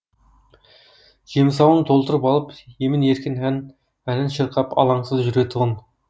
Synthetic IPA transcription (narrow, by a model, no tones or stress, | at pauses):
ʒ̥ems̬ɑwəɴt̪ʰo̞lˠt̪əɾəpɑlˠəpjemɪneɾkʲɪnɦæn | ænɪnʃəɾqɑpɑ̰lˠɑɴsəzʒʏɾet̪ʰʊʁən